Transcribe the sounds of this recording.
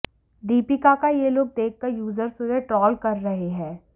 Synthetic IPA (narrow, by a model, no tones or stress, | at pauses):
d̪iːpikakajeloːɡ̚d̪eːkːɐɾjuːzəɾsʊɾeʈɔːlkɐɾːɐɦeɦɛ̃ː